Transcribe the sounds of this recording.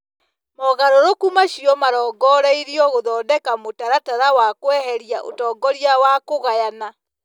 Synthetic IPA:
mɔɣaɾoɾokumaɕiɔmaɾɔːɡɔɾɛiɾiɔɣoðɔːdɛkamotaɾataɾawakwɛɦɛɾiaʔo̰tɔːɡɔɾiawakoɣajana

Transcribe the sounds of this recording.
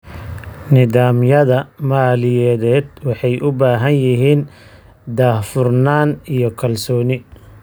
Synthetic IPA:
nɪðaːmjɐðɐmaːlɪjɛːðɛːd̪wɑħɑjʔʊbaːɦɐnjɪɦiːn | d̪aːhfʊrnaːnijɔkʰɐlsɔːnɪ

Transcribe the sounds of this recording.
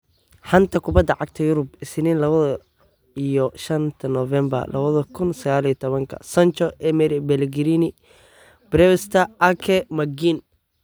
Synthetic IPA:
ħɐnt̪ʰɐkʰʊbɐd̪ːɐʕɑɡ̚t̪ʰɐjʊɾʊbɪsɪniːnlɐβɐðɐ | ijɔʃɐnt̪ʰɐnɔvɛmbɐ̰rlɐ̰βɐðɐkʰʊnsɐɣaːlijɐt̪ʰɔβɐŋkʰɐ̰sɐnt͡ʃɔʔɛmɛɾɪbɛlɡɪɾinɪ | b̥ɾɛwst̪ʰɐʔɐkʰɛmɐɡin

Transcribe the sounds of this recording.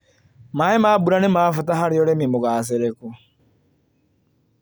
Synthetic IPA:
maemaːbuɾanemaːfutaɦaɾijɔɾemimoɣaːs̬eɾeku

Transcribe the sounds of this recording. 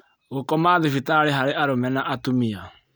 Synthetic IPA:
ɣokɔmaːðefitaɾeɦaɾeʔaɾomɛnaʔatumia

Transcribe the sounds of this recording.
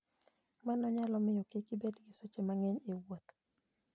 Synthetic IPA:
manɔɲalɔmɪjɔkekɪbedɡɪsɛt͡ʃemaŋɛɲewot̪

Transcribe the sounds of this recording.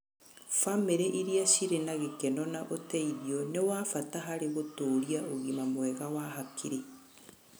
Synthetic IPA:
fameɾɛʔiɾiaʃiɾenaɣekɛnɔnaʔotɛiðjɔnewafataɦaɾeɣotoːɾiaoɣimamwɛɣawaɦakʰiɾe

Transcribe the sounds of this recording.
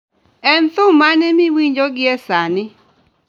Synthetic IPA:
ɛnt̪ʊmanɛmɪwiɲd͡ʒoɡɪɛsanɪ

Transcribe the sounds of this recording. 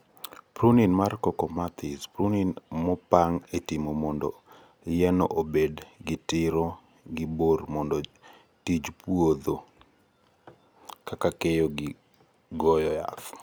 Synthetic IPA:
pɾuninmarkɔkɔmat̪ɪspɾuninmɔpaŋetimomɔndɔ̰ | jɛno̰ʔobedɡɪtɪɾɔ | ɡɪbormɔndɔ | tid͡ʒpwod̪o | kakakejɔɡɪ | ɡɔjɔja̰θ

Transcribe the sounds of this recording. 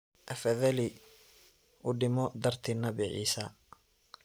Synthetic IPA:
ʔɐfɐðɐli | ʔʊɖɪmɔd̪ɐrt̪ʰinɐβɪʕḭːsɐ

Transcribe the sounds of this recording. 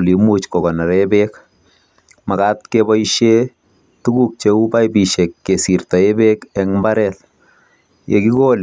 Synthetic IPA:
limut͡ʃkɔkɔnaɾɛbek | makatkebɔiʃe | tuɡuk̚t͡ʃeubajbiʃɛkːesirtɔebekɛŋmbaɾɛl | jḛkikol

